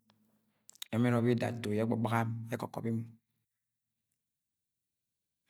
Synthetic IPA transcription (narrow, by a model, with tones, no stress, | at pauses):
e˨me˦ɾo˦bi˦da̰˨to˨je˦ɡ͡bɔ˨ɡ͡ba˦ɣa˦me˦kɔ̰˨kɔ̰˨pi˦mu˨